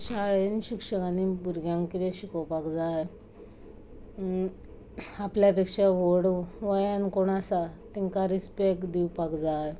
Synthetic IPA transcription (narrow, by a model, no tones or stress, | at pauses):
ɕaɭenɕikʂəkanibuɾɡjãŋkkit̪ɛ̃ɕikɔwpakd͡zaj | apljapekʂaʋoɽʋəjankoɳasat̪iŋkaɾispekd̪iwpakd͡zaj